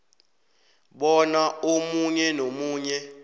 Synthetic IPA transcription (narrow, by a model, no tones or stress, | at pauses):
ɓɔnaomuɲɛnomuːɲɛ